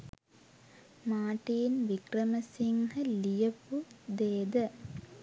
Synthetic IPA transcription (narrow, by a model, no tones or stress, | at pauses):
maːʈiːnʋikrəməsiŋhəlijəpud̪eːd̪ə